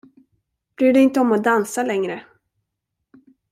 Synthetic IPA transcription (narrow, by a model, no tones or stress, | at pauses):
b̥ɾyːɖɛɪnt̪əɔmɔd̪ansalɛŋɾə